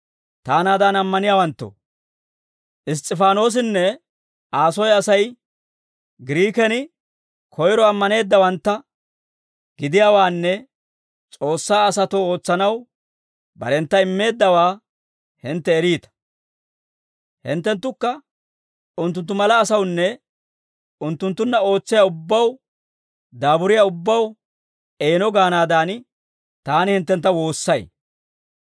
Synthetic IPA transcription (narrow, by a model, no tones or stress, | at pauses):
t̪aːnaːd̪anɐmːɐnɪjaːwɐnt̪ːo̰ː | ʔɪs̬t̪ʼːɪfaːno̞ːs̬ɪnːɛ | ʔaːsɔjɐsɐj | ɡɪɾiːkɛnɪ | kʰɔjɾɔɐmːɐne̞ːd̪ːɐwɐnt̪ːɐ | ɡɪd̪ɪjaːwaːnːɛ | t͡sʼo̞ːsːaːsɐt̪oːo̞ːt͡sːɐnɐw | bɐ̰ɾɛnt̪ːɐɪmːe̞ːd̪ːɐwaː | hɪnt̪ːɛːɾiːt̪ɐ̥ | hɪ̰nt̪ːɛnt̪ːʊkːɐ | ʊnt̪ːʊnt̪ːʊmɐlɐːsɐwnːɛ | ʊnt̪ːʊnt̪ːʊnːɐo̞ːt͡sːɪjaʊbːɐw | d̪aːbʊɾɪjaʊbːɐw | eːnɔɡaːnaːd̪aːn | t̪aːnɪhɪnt̪ːɛnt̪ːɐwo̞ːsːɐj